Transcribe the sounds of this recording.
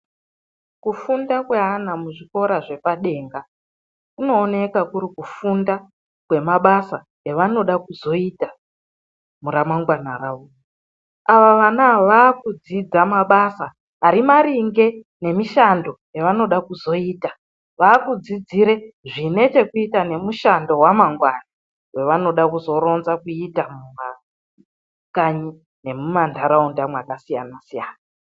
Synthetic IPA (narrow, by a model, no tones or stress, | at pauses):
kufundakwe̞ɦanamuʐiko̞ɾaʐe̞paɗe̞ːŋɡa | kuno̞ːne̞kakuɾikufunda | kwe̞maɓasa | eʋano̞ɗakuzo̞ita | muɾamaŋɡwana̰raːʋo | aʋaʋanaʋaːkud͡zid͡zamaɓasa | ɦaɾimaɾiŋɡe̞ | ne̞miʃando̞jeʋano̞ɗakuzo̞iːta | ʋaːkud͡zid͡ziɾeʐine̞t͡ʃe̞kuitane̞muʃando̞wamaŋɡwana | we̞ʋano̞ɗakuzo̞ɾo̞nzakuitamuʋa | kaɲi | ne̞mumandʰʱaɾaundamwakasija̰nasijaːna